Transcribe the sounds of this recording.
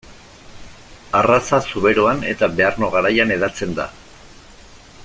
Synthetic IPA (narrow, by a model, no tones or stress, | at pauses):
arasasuβe̞ɾo̞ane̞̰t̪abe̞arno̞ɣaɾajane̞ðat͡se̞nd̪a̰